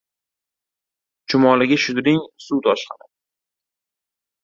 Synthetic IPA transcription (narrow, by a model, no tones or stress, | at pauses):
t͡ʃʰʊmɒlɪɡʲaʃʊd̪ɾɪŋsut̪ʰɒʃχanɪ